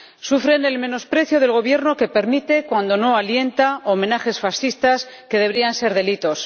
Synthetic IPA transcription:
sufɾe̞ne̞lmẽ̞no̞spɾe̞θjoð̞e̞lɣ̞o̞βje̞ɾno̞ke̞pe̞ɾmit̪e̞kwand̪o̞no̞alje̞nt̪aomẽ̞naxe̞sfasθist̪aske̞ðeβɾianse̞ɾðe̞lit̪o̞s

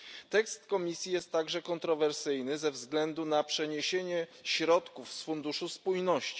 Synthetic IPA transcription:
t̪ɛkst̪kɔmʲisʲjijɛst̪ːaɡʐɛkɔnt̪ɾɔvɛɾsɘjnɘzɛvzɡlɛnd̪unapʂɛɲeɕeɲɛɕɾɔt̪kufsfund̪uʂuspujnɔɕt͡ɕi̥

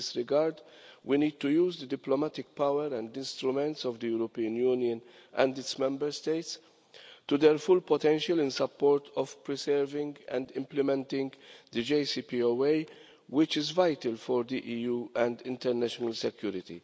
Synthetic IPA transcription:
ɪsɾɪɡaɾd̪ | winiːd̪̚t̪ujuːzd̪əd̪ɪplɔmæt̪ɪk̚pawɛɾɛ̃nd̪ɪ̃nst̪ɾumɛ̃nt̪sɔvd̪əjuɾɔpiːə̃njuːnjə̃n | ʔɛ̰̃nd̪ɪtsmɛ̃mbɛɾst̪eɪt̪s | t̪ud̪ɛɾfʊlpɔt̪ɛ̃nʃəlɪ̃nsɐpːɔːɾt̪ʰɔvpɾisɛɾvɪ̃ŋɡɛ̰̃nd̪ɪ̃mplɪmɛ̃nt̪ɪ̃ŋɡd̪əd͡ʒeɪsipioweɪ | wɪt͡ʃɪzvajt̪əlfɔɾd̪iʔiːjuːɛ̃nd̪ɪ̃nt̪ɛɾnæʃɔnɐlsɛkjuːɾɪt̪ḭ

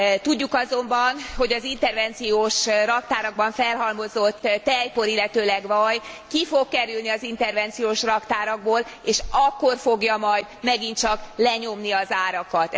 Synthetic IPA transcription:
t̪uɟːukɒzo̞mbɒnho̞ɟɒzint̪ɛrvɛnt̪sijoːʃrɒk̚t̪aːɾɒɡ̚bɒɱfɛlɦɒlmo̞zo̞t̪ːɛjpo̞ɾilːɛt̪øːlɛɡvɒjkifo̞kkɛɾylniɒzint̪ɛrvɛnt̪sijoːʃrɒkt̪aːɾɒɡboːl | eːʃɒkːo̞rfo̞ɡjɒmɒjd̪mɛɡint͡ʃɒklɛɲo̞mniɒzaːɾɒkɒt̪

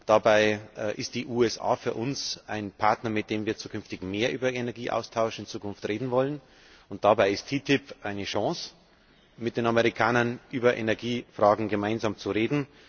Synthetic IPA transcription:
d̥abaɪʔʔɪst̚d̥iːʔuːɛsa̰ːfyːɐʔʊnsʔaɪnpʰaɐtnɐmɪt̚d̥eːmviːɐt͡suːkʰʏnftɪçmeːɐʔyːbɐʔenɛɐɡiːʔa̰ʊstʰaʊʃɪnt͡suːkʊnftʁeːdn̩vɔlən | ʊnt̚d̥abaɪɪstʰiːtʰɪpʔaɪnəʃɑ̃ːs | mɪtd̥eːnaməʁ̞ikʰaːnɐnʔyːbɐʔenɛɐɡiːfʁ̥aːɡŋ̩ɡəmaɪnzaːmt͡suʁeːdn̩

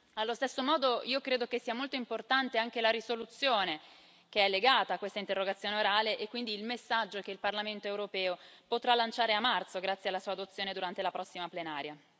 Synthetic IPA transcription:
alːost̪esːomɔːd̪oiːokɾeːd̪ok̟esːiːamolt̪oimport̪ant̪eaŋk̟elaɾisolut̪sːjoːne | k̟eɛlːeɡaːt̪aːkːwest̪aint̪erːoɡat̪sːjoːneoɾaːleʔekːwind̪iːlmesːad͡ʒːok̟eilparlament̪oewɾopɛːopot̪ɾalːant͡ʃaːɾeamːart̪soɡɾat̪sːjealːasuːad̪ot̪sːjoːned̪uɾant̪elapɾɔsːimaplenaːɾja

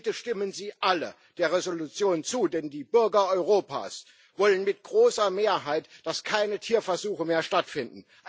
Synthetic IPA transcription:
təʃtɪmənziːʔalə | d̥eːɐʁezolut͡sjoːnt͡suːdɛndiːbʏɐɡɐʔɔʏʁoːpa̰ːs | vɔlənmɪt̚ɡ̥ʁoːsɐmeːɐɦaɪtd̥askʰaɪnətʰiːɐfɛɐzuːxəmeːɐʃtatfɪndn̩ | ʔ

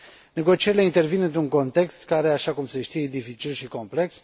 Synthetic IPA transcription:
ne̞ɡo̞t͡ʃieɾile̞int̪e̞rvinɨnt̪ɾuŋko̞nt̪e̞kst̪kaɾe̞aʃakumse̞ʃt̪ijed̪ifit͡ʃilʃiko̞mple̞ks

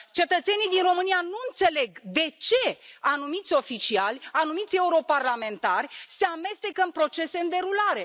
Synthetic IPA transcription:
t͡ʃe̞t̪ət̪se̞nijd̪inro̞mɨnianuɨnt̪se̞le̞ɡd̪e̞t͡ʃe̞anumit̪sʲo̞fit͡ʃialʲanumit̪sʲe̞uɾo̞parlame̞nt̪arʲse̞ame̞st̪ekəɨnpɾo̞t͡ʃe̞se̞ɨnd̪e̞ɾulaɾe̞

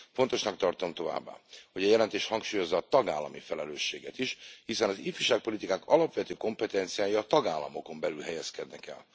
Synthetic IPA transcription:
fo̞nt̪o̞ʃnɒkt̪ɒrt̪o̞mt̪o̞va̰ːbːa̰ːho̞ɟɛjɛlɛnt̪eːʃhɒŋkʃuːjo̞zːɒːt̪ɒɡaːlːɒmifɛlɛløːʃːeːɡɛt̪iʃhisɛnɒzifyʃaːk̚po̞lit̪ikaːkɒlɒpʋɛt̪øːko̞mpɛt̪ɛnt̪sijaːjɒːt̪ɒɡaːlːɒmo̞ko̞mbɛlylɦɛjɛskɛd̪nɛkɛ̰l

